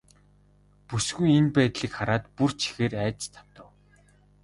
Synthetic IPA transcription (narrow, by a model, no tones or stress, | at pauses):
pusɡujenpæːt̪ɮiːkχaɾaːt̪pur̥t͡ɕʰi̥xeːɾæːt͡ɕt͡ɕt̪ʰḁw̥t̪ə̆w